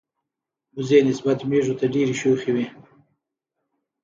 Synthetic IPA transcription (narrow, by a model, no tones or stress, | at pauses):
mʊzenɪsbat̪meʐot̪aɖeɾiʃoxiwi